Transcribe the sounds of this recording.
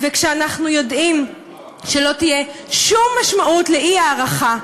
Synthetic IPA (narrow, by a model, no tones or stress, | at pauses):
vekʃeanaχnujo̞dim | ʃe̞lo̞t̪ije̞ʃumːaʃmaʔutleʔiaːʁaχa